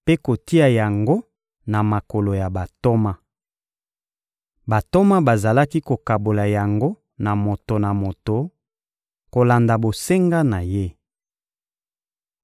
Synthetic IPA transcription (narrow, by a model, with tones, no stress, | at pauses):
pe˦ko˨ti˦a˨ja˨ŋɡo˦ | na˨ma˨ko˨lo˨ja˨ba˨to˦ma˦ | ba˨to˦ma˦ba˨za˨la˦ki˦ko˨ka˨bo˨la˨ja˨ŋɡo˦ | na˨mo˨to˨na˨mo˨to˨ | ko˨la˨nda˨bo˨se˦ŋɡa˦na˨je˦